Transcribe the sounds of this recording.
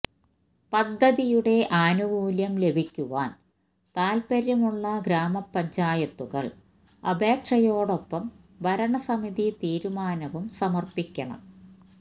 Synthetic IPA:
pɐd̪ʱːɐðijuɽe̞ʔaːnuʋuːljɐmle̞bʱikʲːuʋaːn | t̪aːlpɐɾjɐmuɭːɐɡɾaːmɐpːɐɲd͡ʑaːjɐt̪ːuɣɐ̰ɭ | ɐ̰bʱe̞ːkʂɐjo̞ːɽo̞pːɐm | ʋɐɾɐɳɐsɐmiðit̪iːɾumaːnɐʋumsɐmɐrpikʲːɐɳɐ̰m

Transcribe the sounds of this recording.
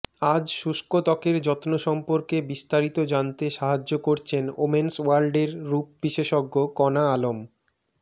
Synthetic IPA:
ad͡ʑʃuʃkot̪ɔkeɾd͡ʑɔt̪noʃɔmpoɾkebist̪aɾit̪od͡ʑant̪eʃaɦad͡ʑːokoɾt͡ɕʰeno̰menswalɖeɾːup̚biʃeʃɔɡːokɔnaalom

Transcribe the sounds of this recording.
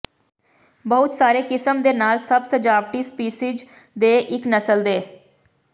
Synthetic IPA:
bəʊt̪saːɾeːkɪsəmd̪eːnaːlsəbsəd͡ʒaːʋʈiːspiːsɪd͡ʒ | d̪eːʔɪknəsəld̪eː

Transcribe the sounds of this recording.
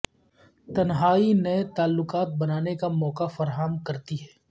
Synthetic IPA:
t̪ɐnɦaːinɐet̪aːlːʊkaːt̪̚bɐnaːnekamɔːkafɐɾɦamkɐɾt̪iɦɛː

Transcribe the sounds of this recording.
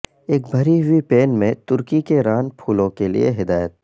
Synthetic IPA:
eːk̚bʱɐɾiwipeːnmẽt̪ʊɾkikeɾaːnpʰuːlõkelḭḛɦɪd̪aːjət̪̚

